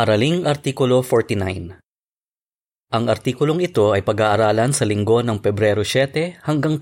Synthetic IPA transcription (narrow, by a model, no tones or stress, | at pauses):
ʔɐɾɐliŋʔɐɾt̪iːkʊlo̞foɹt̪ina̰jn | ʔɐŋɐɾt̪iːkʊlo̞ŋɪt̪o̞ʔɐjpɐɡaːʔɐɾaːlɐnsɐlɪŋɡo̞nɐŋpɛbɾɛɾosɛt̪ɛhɐŋɡɐŋ